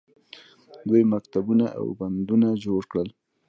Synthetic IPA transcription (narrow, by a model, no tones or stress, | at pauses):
d̪wujmakt̪abunaʔa̰wband̪unad͡ʒoɽkɽəl